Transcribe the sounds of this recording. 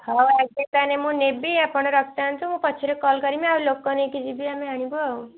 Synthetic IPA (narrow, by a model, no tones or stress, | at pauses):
hawɛk̚d̪it̪anemũnebiapɔɽ̃ɔɾɔkʰt̪aant̪ʰumũpɔt͡ʃʰiɾekɔlkʌɾimeaulokɔnekid͡ʒʰibʱiameɦaɽ̃ibuaw